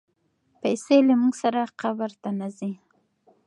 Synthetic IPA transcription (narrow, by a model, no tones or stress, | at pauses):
pajselamuɡsaɾaqabaɾt̪anazi